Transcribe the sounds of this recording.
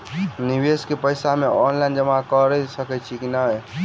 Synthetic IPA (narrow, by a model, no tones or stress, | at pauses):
niʋeskepəɪsameʔɔnlajnd͡ʒəmakəɾɛsəkɛt͡ʃʰikinae